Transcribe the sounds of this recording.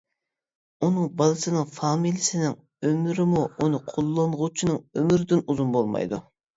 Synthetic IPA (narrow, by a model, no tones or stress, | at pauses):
unɨŋbɑlˠɨsɨnɨŋfɑmilʲˠjɪsɪnɪŋ | ømyɾɪmuunɨqʰolˠːɑɴʁʊt͡ʃʰinɨŋømyɾɪd̪ynuzunbolˠmɑ̰jd̪u